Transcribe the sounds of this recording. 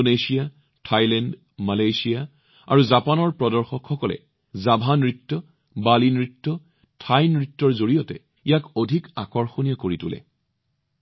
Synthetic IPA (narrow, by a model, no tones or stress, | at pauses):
onesija | tʰajlɛnd | malajsija | a̰ɹuzapanɔɹpɹɔdɔɹxɔkxɔkɔlɛ̰ | zabʱanɹitːɔ | balinɹitːɔ | tʰajnɹitːɔɹzoɹijɔtɛ | ijakodʱika̰kɔɹxonijɔkoɹitʊlɛ̰